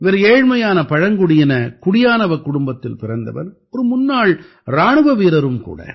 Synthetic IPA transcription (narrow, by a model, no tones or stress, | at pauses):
ʋɛɾeːɻmɐjaːnɐpɐɻɐŋɡʊɽɪjɪnɐkʊɽɪjaːnɐʋɐkʊɽʊmbɐt̪ːɪlpɪɾɐnd̪ɐ̰ʋɐ̰n | ɔɾɯmʊnːaːɭ | ɾaːɳɯʋɐʋiːɾɐɾɯmkṵːɽɐ̰